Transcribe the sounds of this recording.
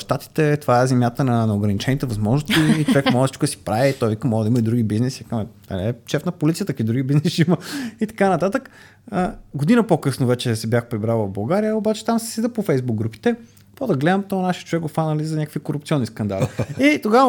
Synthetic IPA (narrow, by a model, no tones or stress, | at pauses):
ʃt̪at̪i̥t̪ɛt̪ovaɛzɛmjat̪ənɐnɛoɡɾɐnit͡ʃɛnit̪ɛvɐzmɔʒnost̪iːt͡ʃovɛkmɔʒɛsiʃkʊd̪ɐsi̥pɾaviːt̪ɔjvikəmɔʒɛd̪əimɐid̪ɾuɡibiznɛsikamɛɐ̰lɛʃɛfnɐpolit̪iət̪əkid̪ɾuɡibiznɛsiiməit̪ɐ̥kanɐt̪at̪ək | əɡod̪inəpokɤsnovɛt͡ʃɛsɛbʲjaxpɾibɾalˠvɐvbɐlˠɡaɾijəobat͡ʃɛ̥t̪amsɛ̥sɛd̪əpofɛjzbuɡ̚ːɾupi̥t̪ɛ | pod̪ɐɡlɛd̪əmt̪ɔnaʃiət͡ʃʊvɛkɡofanəlizɐnʲakəkfikoɾup̚t̪sʲɔnːʲiskɐnd̪a̰liit̪oɡavə